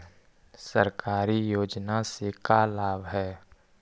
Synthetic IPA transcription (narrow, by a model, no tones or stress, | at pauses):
sə̰ɾkaːɾijoːd͡ʒnasekalaːbɦɛː